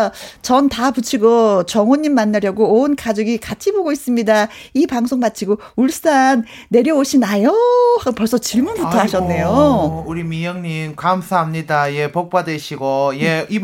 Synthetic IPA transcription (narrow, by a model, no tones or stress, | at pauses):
t͡ɕʌntaput͡ɕʰiɡot͡ɕʌŋoɲːimːanːaɾjʌɡoonkad͡ʑoɡikat͡ɕʰiboɡois͈ɯmɲida | ipaŋsʰoŋmat͡ɕʰiɡo | uɭs͈anː | e̞ɾjʌoɕʰinajʌapʌɭs͈ʌt͡ɕiɭmunbutʰʌaɕʰʌnːe̞jouɾimijʌŋɲimkamsʰaɦamɲidaje̞pok̚p͈adwe̞ɕʰiɡojei